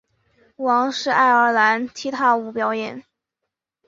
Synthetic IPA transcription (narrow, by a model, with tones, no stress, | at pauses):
wɑ˧˥ŋʂɻ̩˥˧a˥˩ɪə˞˧˥la˧˥nt͡ɕʰi˥t̪ʰa˥u˧˥˩pjɑ˧˥ʊjɛ̰˨˩˦n